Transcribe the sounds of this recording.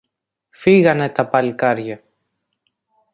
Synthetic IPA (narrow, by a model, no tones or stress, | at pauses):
fiɣɐne̞t̪ɐpɐlikɐɾʝɐ